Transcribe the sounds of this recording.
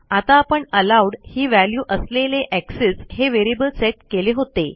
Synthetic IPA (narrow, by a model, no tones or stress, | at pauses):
at̪aːpəɳəlawɽhiːʋæljuːʔəsleleʔæksesheʋeɾibəlseʈ̚keleɦot̪e